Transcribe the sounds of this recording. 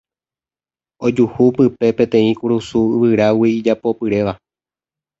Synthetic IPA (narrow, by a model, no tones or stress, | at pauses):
o̞d͡ʒuhupɨpe̞pẽ̞t̪ẽ̞ĩkuɾusuɨʋɨɾawiːd͡ʒapo̞pɨɾe̞ʋa